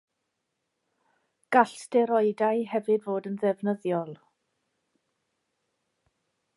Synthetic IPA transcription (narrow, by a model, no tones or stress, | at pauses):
ɡ̥aɬtd̥ɛɾɔɨdajhɛvɨdvoːdənðɛvnəðjɔlˠ